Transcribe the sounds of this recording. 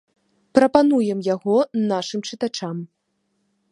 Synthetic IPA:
pɾɐpanujɛmjaɣɔnaʂɨmt͡ʂɨt̪at͡ʂam

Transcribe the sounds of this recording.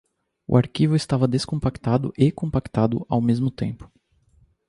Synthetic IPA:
ʊ̰ʔaɾkivʊɪst̪avɐd̪eskõpakt̪ad̪ʊ̰ʔekõpakt̪ad̪ʊ̰ʔawmezmʊt̪ḛ̃mpʊ̥

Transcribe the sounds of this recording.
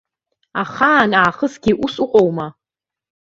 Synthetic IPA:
aχaːnaːχəsɡʲiʔusʼuqʷʼowma

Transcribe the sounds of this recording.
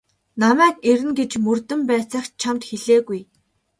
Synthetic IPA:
namæːkeɾɘ̆nɡet͡ɕmɵrt̪ɘ̆mpæːt͡sæ̆ːχt͡ɕʰamt̪xeɮeːɣuj

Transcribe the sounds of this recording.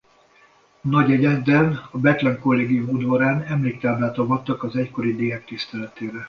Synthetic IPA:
nɒɟɛɟɛd̪ɛnɒbɛt̪lɛŋko̞lːeːɡijumud̪vɒɾaːnɛmleːk̚t̪aːblaːt̪ɒvɒt̪ːɒkɒzɛcko̞ɾid̪eːɦɛk̚t̪ist̪ɛlɛt̪eːɾɛ

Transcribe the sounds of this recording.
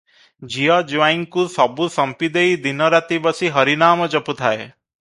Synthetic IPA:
d͡ʒijad͡ʒʋaiŋkusɔbusɐmpid̪eid̪inəɾat̪ibəsiɦʌɾinaːməd͡ʒəput̪ʰae

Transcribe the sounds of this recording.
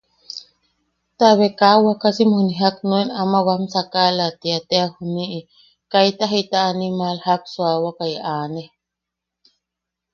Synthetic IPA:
t̪aβekawakasimhuniɦaknuenamawamsakalat̪iat̪eahuniʔi | kajt̪aɦit̪aːnimalhak̚swawakajʔaːne

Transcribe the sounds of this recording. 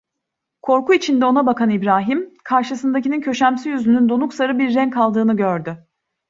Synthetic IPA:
kʰo̞ɾkuit͡ʃʰind̪ɛo̞nabakanibɾaːɦimkʰaɾʃɯsɯnd̪acinincʰø̞ʃæmsyjyzynynd̪onuksaɾɯbiɾːɛnkʰalˠd̪ɯːnɯɟøɾd̪ʏ

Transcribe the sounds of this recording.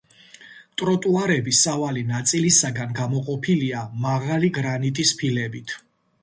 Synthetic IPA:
t̪ʼɾɔt̪ʼuaɾɛbisavalinat̪sʼilisaɡanɡamɔqʼɔpʰiliamaʁaliɡɾanit̪ʼispʰilɛbit̪ʰ

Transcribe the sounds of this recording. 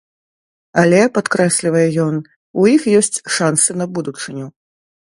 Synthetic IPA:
ɐlʲɛpat̪kɾɛsʲlʲivɐjɛjɔn | ujixjɔsʲt͡sʲʂansɨnɐbud̪ut͡ʂɨnʲu

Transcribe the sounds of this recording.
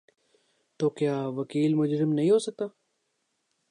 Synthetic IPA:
t̪oːkjaːʋɐkiːlmʊd͡ʒɾɪmnɐɦĩɦoːsɐk̚t̪aː

